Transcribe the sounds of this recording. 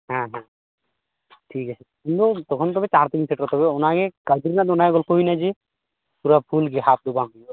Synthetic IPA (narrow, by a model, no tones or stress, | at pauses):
ɦɛ̃ɦɛ̃ | ʈʰikat͡ɕʰekint̪ut̪ɔkʰont̪ɔbet͡ɕaɾt̪eɡinsʰeʈɾɔt̪ɔbeonaɡekad̪iɾnad̪onajɡolkoɦinad͡ʑe | puɾapʰulɡeɦap̚d̪ubami